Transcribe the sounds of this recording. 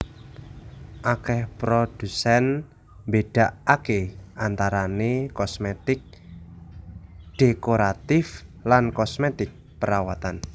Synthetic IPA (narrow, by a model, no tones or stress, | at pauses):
ʔakɛhpɾod̥usɛn | mbeɖ̥a̤ʔakeʔant̪aɾanekɔsmɛt̪ɪk̚ | d̥ekoɾat̪ɪflankɔsmɛt̪ɪk̚pəɾawat̪an